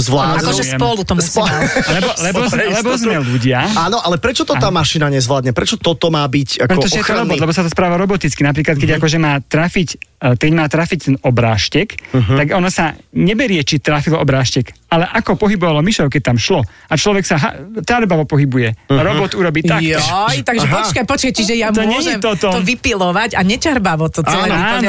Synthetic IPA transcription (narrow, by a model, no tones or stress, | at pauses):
zʋlaːkɔʒɛɛmpɔlut̪ɔmlɛbɔlɛbbɔzɛlɛbɔzmɛluɟɪaaːnɔʔalɛpɾɛt͡ʃɔt̪ɔt̪aːmaʃinaɲɛzʋlaːd̪ɲɛpɾɛt͡ʃɔt̪ɔt̪ɔmaːbicakpɾɛɔt̪ɔʒɛjɛt̪ɔɾɔbɔd̪lɛbɔs̬at̪ɔspɾaːʋaɾɔbɔt̪it͡skinap̬ɾiːklat̪̚kɛɟakɔʒɛmaːt̪ɾafickɛɟmaːt̪ɾafict̪ɛnɔbɾa̰ːʃcɛkt̪aɡɔnɔsaɲɛbɛɾɪɛt͡ʃit̪ɾafilɔbɾaːʃcɛkalɛʔakɔpɔɦibɔʋalɔmiʃɔʊkɛc̚t̪amʃlɔ | at͡ʃlɔʋɛksaɦa̰caɾbaʋɔpɔɦibujɛɾɔbɔt̪uɾɔbiːt̪akjt̪aɡʒɛpɔt͡ʃkajpɔt͡ʃkajt͡ɕiʒɛjamt̪ɔɲɛjɛɛmt̪ɔt̪ɔt̪ɔʋipilɔʋaɟaɲɛt͡ʃɛɾbaʋɔt̪ɔɛaːnɔ